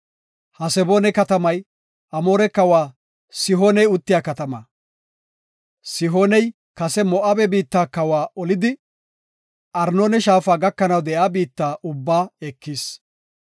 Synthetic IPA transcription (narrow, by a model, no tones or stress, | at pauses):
hɐsɛboːnɛkɐt̪ɐmɐj | ɐmo̞ːɾɛkɐwaː | sɪɦoːnɛjʊt̪ːɪjaːkɐt̪ɐmɐ̰ | sɪɦoːnɛj | kɐsɛmɔʔɐbɛbiːt̪ːaːkɐwaːɔlɪd̪ɪ | ʔɐɾnoːnɛʃaːfaːɡɐkːɐnɐwd̪ɛjaːbiːt̪ːaːʔʊbːaːɛkːis